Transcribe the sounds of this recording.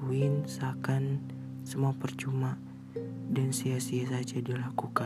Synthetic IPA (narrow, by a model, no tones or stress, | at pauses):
uɪnsakan | səmuapərt͡ʃuma | dansiasiasad͡ʒadilakuka